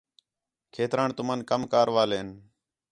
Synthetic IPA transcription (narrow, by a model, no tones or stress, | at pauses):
kʰeːt̪ɾaːɳt̪ʊmaːnkəmkaːɾʋaːleːn